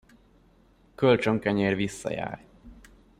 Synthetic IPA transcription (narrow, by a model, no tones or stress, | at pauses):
kølt͡ʃøŋkɛɲeːrvisːɒ̰ja̰ːr